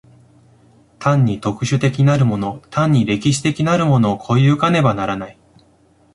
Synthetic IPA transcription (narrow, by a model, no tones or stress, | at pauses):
t̪ʰãɲ̟ːit̪o̞kɯ̟ɕɨt̪e̞kʲiinaɾɯ̟mo̞no̞t̪ʰãɲ̟ːiɾe̞kʲiɕi̥t̪e̞kʲinaɾɯ̟mo̞no̞ːkʰo̞iɯ̟kane̞banaɾanai